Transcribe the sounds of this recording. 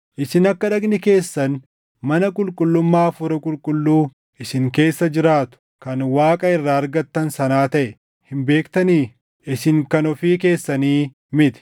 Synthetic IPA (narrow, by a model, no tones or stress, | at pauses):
ʔɪsɪnɐkːɐᶑɐɡnɪke̞ːsːɐn | mɐnɐkʼʊlkʼʊlːʊmːaːɐfʊɾɐkʼʊlkʼʊlːuː | ɪsɪŋke̞ːsːɐd͡ʒɪɾaːt̪ʊ̥ | kɐnwaːkʼɐɪrːaːɐɾɡɐt̪ːɐnsɐnaːt̪ɐʔɛ | hɪmbe̞ːkt̪ɐniː | ɪsɪŋkɐnɔfiːke̞ːsːɐniː | mɪt̪ɪ̥